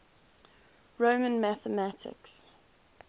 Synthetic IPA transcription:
ɹoʊmə̃nmæθəmætʰɪ̰ks

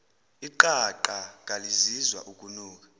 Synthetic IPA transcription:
iǃaǃaŋʱalizizwa̰ʔukʼunuːk̬ʼḁ

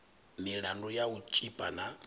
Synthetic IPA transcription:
miɺandujaut͡ʃʼipʼana

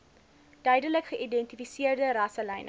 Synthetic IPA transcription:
d̥œɥdələkχəʔidɛntifisiərdəɾɐsəlɛjn

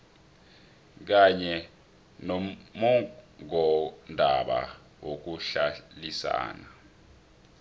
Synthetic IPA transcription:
k̬aɲɛ | nɔmɔŋɔndʱaɓa̰ | wok̬uɬalisa̰ːna

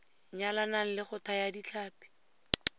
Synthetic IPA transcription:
ɲalanan̩lɪχʊtajadit͡ɬaːpi̥

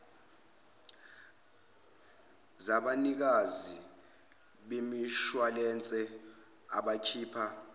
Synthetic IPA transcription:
zaɓanik̬azi | ɓemiʃwalɛnt͡sʼɛ | aɓakʰiːpʰa

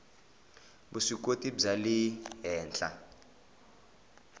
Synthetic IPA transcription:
busik̬ʼotʼibb͡ʐaliɦɛːnt͡ɬʼa̰

